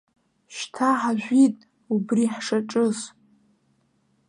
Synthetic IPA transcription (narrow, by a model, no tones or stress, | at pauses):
ʃtʰaħaʒᶣʷitʼ | ubriħʂaʈ͡ʂʼɨs